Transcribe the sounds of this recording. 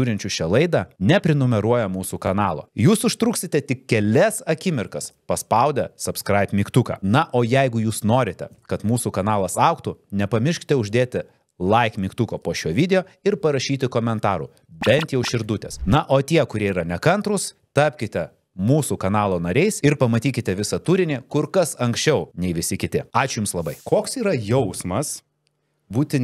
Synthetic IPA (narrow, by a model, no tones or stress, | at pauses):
uːɾʲɪnʲt͡ʃʲuʃʲɛlˠɐɪd̪ɐnʲɛpʲɾʲɪnʊmʲɛɾuɔjɛmuːsukɐnɑːlˠo̰ːjuːsʊʃt̪ɾuksʲɪt̪ʲɛt̪ʲɪkkʲɛlʲɛsɐkʲɪmʲɪrkɐspɐspɐʊd̪ʲɛsɐpskɾɐɪpʲmʲiːkt̪ukɑ̰ːnɐʔoːjɛɪɡʊjuːsnoːɾʲɪt̪ʲɛ̰kɐt̪muːsukɐnɑːlˠɐsɐʊkt̪ʊnʲɛpɐmʲɪrʲʃʲkʲɪt̪ʲɛʊʒʲd̪ʲeːt̪ʲɪ | lˠɐɪkmʲiːkt̪ukoːpoːʃʲuɔʋʲid̪ʲɛjoː | ɪrpɐɾɐʃʲiːt̪ʲɪkoːmʲɛnt̪ɑːɾṵ | bʲɛnt̪jɛʊʃʲɪɾd̪ʊt̪ʲḛːsnɐʔoːt̪ʲiɛkʊɾʲiɛiːɾɐnʲɛkɐnt̪ɾʊs | t̪ɑːpʲkʲɪt̪ʲɛ | muːsukɐnɑːlˠoːnɐɾʲɛɪsɪɾpɐmɐt̪ʲiːkʲɪt̪ʲɛʋʲɪsɐt̪uːɾʲɪnʲɪkʊɾkɐsɐŋksʲt͡ʃʲɛʊnʲɛɪʋʲɪsʲɪkʲɪt̪ʲɪɑːt͡ʃʲʊjʊmslˠɐbɐɪkoːksiːɾɐjɛʊsmɐs | buːt̪ʲɪ